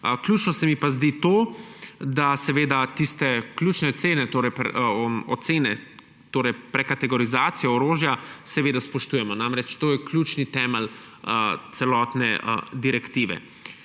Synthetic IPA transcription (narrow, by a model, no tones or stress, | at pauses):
klʲjuːt͡ʃnɔsɛmipazd̪it̪oː | d̪asɛʋeːd̪at̪ist̪ɛklʲuːt͡ʃnɛɔt̪seːnɛt̪oːɾɛjpɔt̪seːnɛ | t̪oːɾɛjpɾɛkat̪ɛɡɔɾizaːt̪sijɔɔɾoːʒjasɛʋeːd̪aspɔʃt̪uːjɛmɔnamɾɛt͡ʃt̪oːjɛklʲjuːt͡ʃnit̪ɛːmɛl | t̪sɛlɔːt̪nɛd̪iɾɛkt̪iːʋɛ̰